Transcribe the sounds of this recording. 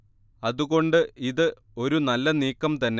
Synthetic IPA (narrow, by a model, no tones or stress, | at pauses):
ɐðuɣo̞ɳɖɨiðɨ | o̞ɾunɐlːɐniːkːɐmt̪ɐnːe